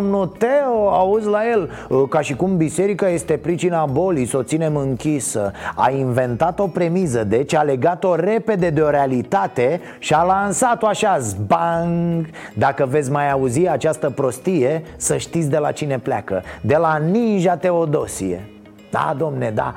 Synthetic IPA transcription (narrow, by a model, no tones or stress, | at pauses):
omnut̪eoauzlaje̞l | kaʃikumbise̞ɾikaje̞st̪e̞pɾit͡ʃinabo̞liso̞t̪sine̞mɨŋkʲisə̰a̰inve̞nt̪at̪o̞pɾe̞mizəd̪e̞t͡ʃale̞ɡat̪o̞ɾe̞pe̞d̪e̞d̪e̞o̞ɾealit̪at̪e̞ | ʃialansat̪oaʃaszbaŋɡ | d̪akəve̞t̪sʲmajauziat͡ʃast̪əpɾo̞st̪ije̞səʃt̪it̪sʲd̪e̞la̰t͡ʃine̞pla̰kə̰d̪e̞laninʒat̪e̞o̞d̪o̞sḭjḛ | d̪̥a̰d̪o̞mne̞d̪a̰